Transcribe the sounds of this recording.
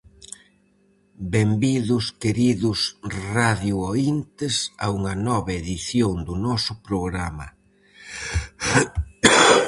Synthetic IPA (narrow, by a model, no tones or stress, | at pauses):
bembiðʊskeɾiðʊsraðjuoint̪ɪsɐ̰uŋɐnɔβɐeðiθjoŋd̪ʊnɔsʊpɾoɣɾamɐ̰